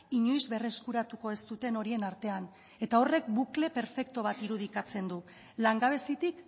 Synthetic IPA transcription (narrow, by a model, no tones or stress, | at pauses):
iɲojzβe̞re̞skuɾat̪uko̞e̞st̪ut̪e̞no̞ɾie̞naɾt̪e̞an | e̞t̪ao̞re̞k̚bukle̞pe̞ɾfe̞kt̪o̞βat̪iɾuð̞ikat͡se̞nd̪u | laŋɡaβe̞sit̪ik